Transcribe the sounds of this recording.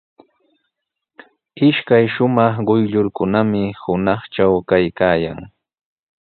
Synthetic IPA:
ɪʃkajʃʊmɑχɢʊjʎʊɾkʊnamɪhʊnɑχt͡ʃawkajkaːja̰ŋ

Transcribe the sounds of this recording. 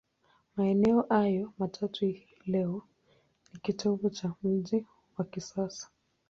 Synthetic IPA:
maɛnɛɔʔajɔmatʰatʰu | lɛɔ | nikitʰɔvut͡ʃam̩ʄi | wakisasḁ

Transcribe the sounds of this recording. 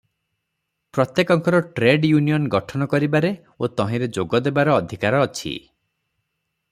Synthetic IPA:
pɾɔt̪jekɔŋkɔɾɔʈɾeɖjunijɔnɡɔʈʰɔnɔkɔɾibaɾe | ot̪ɔɦĩɾed͡ʒoɡɔd̪ebaɾɔːd̪ʱikaɾɔːt͡ʃʰḭ

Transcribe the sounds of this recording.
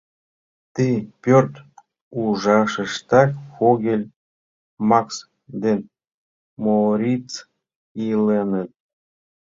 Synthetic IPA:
t̪ipʲørt̪ | uʒɑʃəʃt̪ɑkfoɣʲelʲ | mɑks | d̪en | moɾʲit͡s | ilenət̪̚

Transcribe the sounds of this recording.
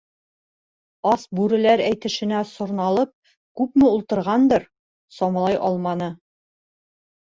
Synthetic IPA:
ɑsbʉɾɘ̆læɾæjt̪ɘ̆ʃɘ̆næsŏɾnɑlˠɤp̚ | kʉpmɘulˠt̪ɤ̆ɾʁɑnd̪ɤɾ | sɒmɑlˠɑjʔɒlˠmɑnɤ

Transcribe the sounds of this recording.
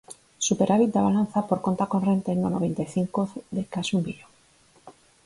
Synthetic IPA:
supeɾʔaβit̪̚d̪aβalan̟θapoɾkont̪akonrent̪eend̪anoβent̪ajθiŋkoðekasumbiʎoŋ

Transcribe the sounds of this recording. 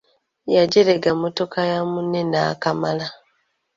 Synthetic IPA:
jaɟeɾeɡamoto̞kajamunenaːkamala

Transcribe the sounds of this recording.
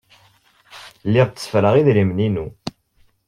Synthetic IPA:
lːɪʁt͡sːsə̥fɾəʁiðɾimninu

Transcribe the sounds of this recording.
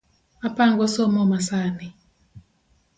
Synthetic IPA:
apaŋɡɔsɔmɔmasani

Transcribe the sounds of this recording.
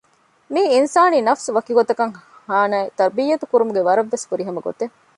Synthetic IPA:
miːinsaːniːnɐfsuʋɐkiɡot̪ɐkɐŋhaːnaːet̪ɐɾbiːjːɐt̪ukuɾumuɡeʋɐɾɐʋːesfuɾiɦɐmɐɡo̰t̪e

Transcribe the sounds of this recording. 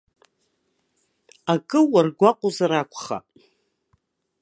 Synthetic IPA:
akʼɨwarɡʷaqʷʼozaɾakʷʰʼχa̰

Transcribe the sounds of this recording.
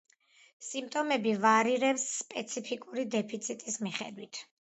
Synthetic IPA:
simt̪ʼɔmɛbivaɾiɾɛpsːpʼɛt̪sʰipʰikʼuɾid̪ɛpʰit̪sʰit̪ʼismiχɛ̰d̪wit̪ʰ

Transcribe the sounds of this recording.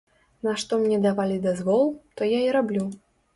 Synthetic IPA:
naʂt̪ɔmnʲɛd̪avalʲid̪azvɔlˠt̪ɔjaiɾablʲu

